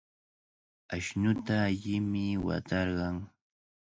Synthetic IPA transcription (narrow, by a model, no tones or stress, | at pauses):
aʃnʊt̪aːʎɪmɪwa̰t̪ɑɾɢɑŋ